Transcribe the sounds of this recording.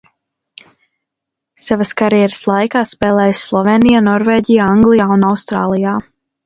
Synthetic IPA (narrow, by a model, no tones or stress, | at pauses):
savaskaɾijɛɾəslˠajkaːspɛːlˠɛːjsːlˠɔveːnijanɔɾveːɟijaːaŋɡlˠijaːunawst̪ɾa̰ːlˠijaː